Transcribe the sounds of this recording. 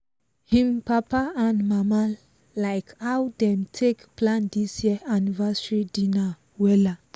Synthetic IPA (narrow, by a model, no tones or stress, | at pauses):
hĩmpapaãnmama | laɪkhawdɛ̃mtʰekplãndisjiəʔanivasɹidĩna | wɛla